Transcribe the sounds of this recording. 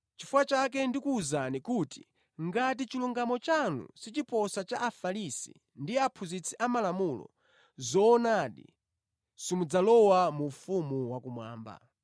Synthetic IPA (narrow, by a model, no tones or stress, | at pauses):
t͡ʃifuwat͡ʃak̬ɛndikuːzanikuti̥̰ | ŋɡatit͡ʃiluŋɡamɔt͡ʃanṵsit͡ʃipɔsat͡ʃaʔːfalisḭ | ndiapʰuzit͡sʰiʔamalamulɔ̰ | zɔːnaɗḭ | simud͡zalɔwamufumuwakumwa̰ːmba̰